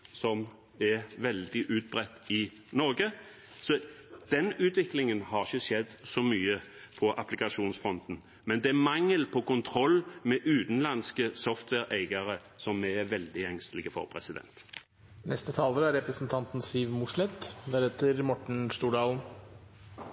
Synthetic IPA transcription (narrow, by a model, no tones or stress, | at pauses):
sɔm | ɛʋɛld̪ɪʔʉːt̪̚bʁɛt̪ːɪ | nɔɾɡə | sɔd̪̥ɛnʉːt̪ʋɪklɪŋənhɑʁɪçəʂɛd̪sɔmyːəpʰɔʔɑ̰plɪkɑʂuːnsfɔnt̪n̩ | mɛnd̪ɛmɑŋːəlpʰɔkʊnt̪ʰʁɔlmɛʔʉːt̪n̩lɑnskəsɔft̪ʰwɛːʁæɪɡɑʁə | sɔmɛʋɛld̪ɪɛŋst̪lɪɡəfɔ̰ʁpʰʁɛsɪd̪ɛ̰nt̪ | nɛst̪ət̪ʰɑːləɾæɾɛpɾəsn̩t̪ʰɑnt̪n̩siːʋmʊslɛt̪d̪æɾhet̪əɾmɔʈɳ̩st̪uːɖɑːln̩